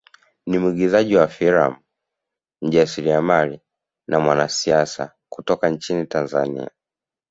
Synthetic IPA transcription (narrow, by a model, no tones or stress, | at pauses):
nimiɡizaʄiwafiɾa̰mu | ɲ̩ʄasiɾiamali | namwanasiasa̰ | kutɔkaɲt͡ʃinitanza̰nḭa̰